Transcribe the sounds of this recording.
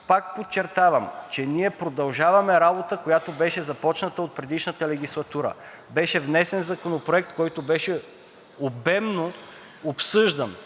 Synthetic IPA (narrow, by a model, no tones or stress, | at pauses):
pak̚pott͡ʃɛɾt̪avɐmt͡ʃɛniɛpɾod̪ɐlˠʒavɐmɛɾabot̪əkojat̪obɛʃɛzɐpɔt͡ʃnət̪əot̪̚pɾɛd̪iʃnət̪əlɛɡ̟ʲislˠɐt̪uɾə̰ | bɛʃɛvnɛsɛnzɐkonopɾoɛk̚t̪kɔjt̪obɛʃɛ | obɛmno | opsɤʒd̪ɐn